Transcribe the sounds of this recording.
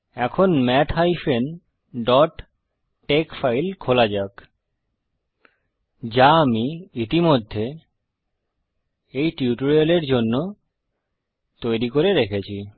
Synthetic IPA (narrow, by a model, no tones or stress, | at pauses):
ɛkʰonmɛt̪ɦajfen | ɖɔʈː | ekfajlkʰolad͡ʑak | d͡ʑaamiit̪imod̪ʱːe | ejʈiuʈoɾialeɾd͡ʑonːo | t̪ojɾikoɾeɾekʰet͡ɕʰi